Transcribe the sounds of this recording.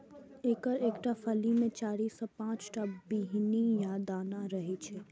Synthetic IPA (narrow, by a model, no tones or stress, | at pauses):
eːkəɾeːkʈafɐlimẽt͡ʃaːɾiːsɔpãːt͡ʃʈabiːɦnijad̪aːnaɾɐɦet͡ʃʰɛ